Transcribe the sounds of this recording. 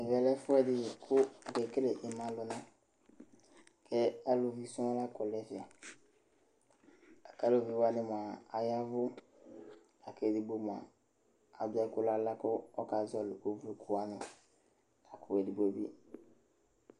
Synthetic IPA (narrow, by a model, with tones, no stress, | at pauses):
ɪ˨vɛ˨lɛ˦fʊ˦ɛ˦dɪ˨kʰʊ˦˨kɛ˨ke˦lɛ˨ʔɪ˨mã˨lʊ˨nã˦ | kʰɛ˦a˦lʊ˨vi˨sɔ̃˦la˦kɔ˨lɛ˦fɪ˨a˨ | a˨ka˦˨lʊ˨vi˨wa˦nɪ˦m˨a˨a˨ja˦vʊ˦ | a˨kɛ˨di˨bo˦m˨ã̰˨ | a˨dʊ˦a˦kʊ˦la˦la˦kʊ˦ɔ˦ka˨zɔ˨lʊ˨ko˦vlu˨kʰʊ˦wa˦nʊ̃˨ | la˨kʰʊ˨ɛ˨di˨ɡ͡bo˦bi˦